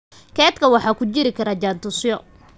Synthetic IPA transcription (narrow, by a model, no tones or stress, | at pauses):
kʰɛːt̪kʰɐwɑħɑːkʰʊt͡ʃɪɾɪkʰɐɾɐd͡ʒaːnt̪ʊsjɔ